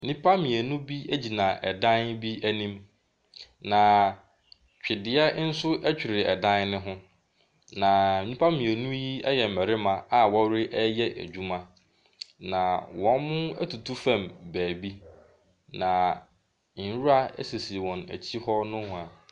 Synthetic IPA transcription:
m˨nĩ˦pʰa˦mĩ˨æ˨nʊ̃˦bi˦æ˦d͡ʑi˨nã˨ʔɛ˨dã˦nbi˦æ˦nĩ˦m | nã˨ | t͡ɕᶣɪ˨dɪ˦ɛ˦n̩˦sʊ˦ʔæ˦t͡ɕᶣi˨ɾɪ˨ɛ̰˨dã˦nnɪ̃˦ɦʊ̃˦ | nã˨m̩˨nĩ˦pʰa˦mĩ˨æ˨nũ˦ji˦ɛ˦jɛ˨m̩˨mɛ˨ɾɪ˦mã˨a˨wɔ˦wɾɪ˦ʔɛ˦jɛ˦ʔæ̰˨d͡ʑᶣu˦mã˦ | nã˨wɔ̃˨nmʊ̃˦æ̰˦tʰu˨tʰu˦fæ̃˦˨mbæː˨bi˦ | nã˨ | n̩˨˦ɾu˦a˦ɛ̰˦se˨si˨wɔ̃˨næ̰˨t͡ɕʰi˦hɔ˦nʊ̃˦hʊ̃˦˨a˨

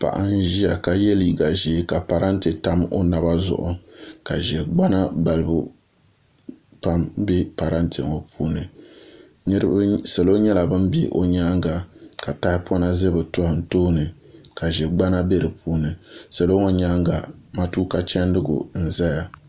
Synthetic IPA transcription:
pa̰˨ʔa̰˦n̩˦ʒi˦a˨ka˨jɛ˦li˨ɡa˨ʒe˨˦ka˨pa˨ɾa˦ntɨ˨ta˦mo̰˦na˨ba˦zʊ̰˦˨ʔʊ̰˦ka˨ʒɛ˨ɡ͡ba˦na˦ba˨lɨ˨bu˦ | pa˦mbi˦pa˨ɾa˦ntʰɨ˨ŋo˨pʰuː˦nɨ˨ | ɲ˦ɾɨ˦bsa˨lo˦ɲɛ˦la˨bɨ˦m˦bḭ˦ʔo̰˦ɲaː˦ŋɡa˨ka˨ta˦hɪ˦pʰɔ˦na˦zɨ˦bɨ˨tʊ˦hɪ˨n̩˨toː˦nɨ˨ | ka˨ʒɛ˨ɡ͡ba˦na˦bɛ˦ɾɨ˨pʰuː˦nɨ˨sa˨lo˦ŋo˦ɲa˦ŋɡa˨ma˦tuː˦ka˦t͡ʃɛ˦n˦dɨ˦ɡʊ̰˨n̩˨za˦ja˨

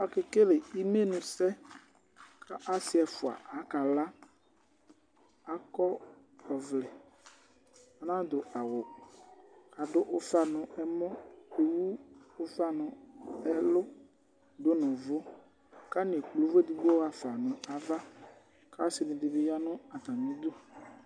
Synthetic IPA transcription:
a˨kɪ˨ke˦lɪ˨i˦me˦nʊ̃˨sɛ˦ | kʰa˦ʔa˨˦sɪ˦ɛ˨fʊ˨a̰˨a˨˦ka˨la˦ | a˨kɔ˦ | ɔ˨vlɪ˨ | a˨nã˦d̪ʊ˨ʔa˨wʊ˨ | ka˨dʊ˦ʔʊ˦fa˨nʊ̃˨ʔɛ˦mɔ̃˦e˨wu˦ʊ˦fa˦nʊ̃˨ɛ˦lʊ˦ | d̪ʊ˦nɔ̃˨vʊ˦ | ka˦n˨klu˨˦vo˦dɪ˨bɔ˦wa˨fa˨nʊ̃˨a˨va˦ | ka˦sɪ˨nɪ̃˨dɪ˨bɪ˨ja˦nʊ̃˦a˨t̪a˨mĩ˨˦d̪o˦

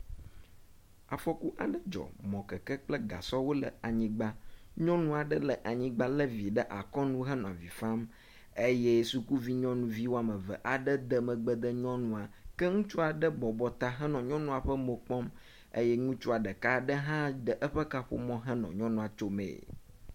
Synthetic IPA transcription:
a˨fɔ˦ku˦ʔa̰˨ɖə˦d͡ʒɔ̰˨mɔ̃˨kɛ˨kɛ˦k͡plə˦ɡa̰˨sɔ˦wo˦lə̰˨a˨ɲĩ˦ɡ͡ba˦ɲɔ̃˦nũ˦a˨ɖə˦lə˨ʔa˨ɲĩ˦ɡ͡ba˦lə˦vi˨ɖə˦ʔa˨kɔ˦nũ˦ɦɛ˦nɔ̃˨a˨vi˨fã˦m | e˦je˦su˦ku˦vi˦ɲɔ̃˦nũ˦vi˦wo˦a˨mə˨və̰˨ʔa˨ɖə˦d̪ə˨mə˨ɡ͡bə˨d̪ə˦ɲɔ̃˦nũ˦a˨kɛ˦ŋũ˦t͡ʃu˦a˨ɖə˦bɔ˨bɔ˨t̪a˦ɦɛ˦nɔ̃˨ɲɔ̃˦nũ˦a˨ɸə˦mo˨k͡pɔ˦m | ḛ˦jɛ˦ŋũ˦t͡ʃu˦a˨ɖə˨ka˦ɖə˦ɦã˦ɖə˨ʔə˦ɸə˦ka˦ɸo̰˦mɔ̃˦ɦɛ˦nɔ̰̃˨ɲɔ̃˦nũ˨a˨t͡ʃo˦mḛ̃˨

